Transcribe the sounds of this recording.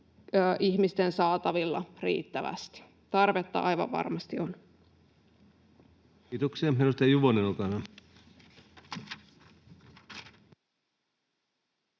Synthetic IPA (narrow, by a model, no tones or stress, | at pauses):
ʔiçmist̪ensɑːt̪ɑʋilːɑrḭːt̪ːæʋæ̰st̪i̥ | t̪ɑrʋet̪ːɑ̰ʔɑ̰jʋɑ̰ʋʋɑ̰rmɑst̪io̞n | it̪oksiemmenust̪ɑjuʋonenukɑnɑ